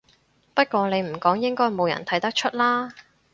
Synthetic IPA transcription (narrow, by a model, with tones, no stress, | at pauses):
pɐ˥t̚kʷɔː˧ne˨˧jm̩˨˩kɔː˨˥ŋjɪ˥ŋkɔː˥jmo˨˧wjɐ̰˨˩nt̪ʰɐ˨˥jt̪ɐ˥k̚t͡ʃʰɵ˥t̚laː˥